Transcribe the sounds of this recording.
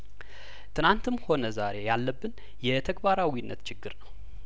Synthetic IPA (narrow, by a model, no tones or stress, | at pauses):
t̪ʰɨnant̪ʰɨmho̞nəzaɾe̞jalːəbːɨn | jɛt̪ʰəɡbaɾawinːət̪t͡ʃʰɪɡːɨɾnəw